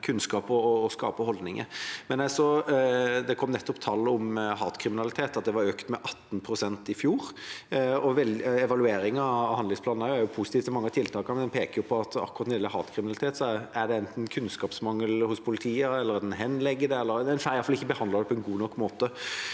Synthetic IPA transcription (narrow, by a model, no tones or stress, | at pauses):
kʰʉnskɑːpɔːskɑ̰ːpəhɔld̪nɪŋə̰mɛnɛsɔ | d̪ɛkʰɔmnɛt̪ːɔpt̪ʰɑlːʊmɦɑːt̪kʰɾɪmɪnɑlɪt̪ʰeːt̪ɑt̪̚d̪ɛʋɑɾøːkt̪mɛʔɑt̪ːnpʰɾʊsɛnt̪ɪfjuːɾ | ɔʋɛlɛʋɑlʉeːɾɪŋɑhɑnɪŋspʰlɑːnnæjʊæɾjʊpʰusɪt̪iːft̪sɛmɑŋːət̪ʰɪlt̪ʰɑːkəmɛnd̪ɛnpʰeːkəjʊpʰɔɑt̪ɑ̰kːʊʁɑt̪neːləɦɑ̰ːt̪kʰɾɪmɪnlɪt̪ʰeːt̪sɔæd̪ɛɛnt̪n̩kʰʉnskɑːpsmɑŋːəlhʊspʰʊlɪt̪ʰiːəɛlːəɾæd̪ɛnɦɛnːlɛɡːəd̪ɛɛlːəɾɛnfæɾjɑlfɑlɪçːəbəhɑnd̪lɑd̪ɛpʰɔɛnɡuːnɔkːmoːt̪ə